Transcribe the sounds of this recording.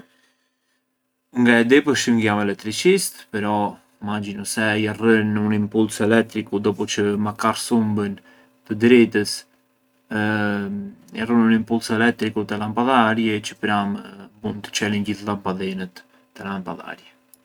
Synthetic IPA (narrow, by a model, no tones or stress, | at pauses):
ŋɡaɛd̪ɛpəʃəmɡjamɛlɛk̚t̪ːɾit͡ʃist̪pɛɾɔ | mad͡ʑinɔsɛjarənunimpulsɛlɛk̚t̪ɾikud̪ɔpɔt͡ʃəmakarsumbən | t̪əd̪ɾɛt̪əs | jarənunimpulsɛlɛk̚t̪ɾikut̪əlampaðaɾjɛt͡ʃəpɾambund̪t̪ə̥t͡ʃɛlinɟiθlampaðɛnət̪ː | əlampaða̰ɾjɛ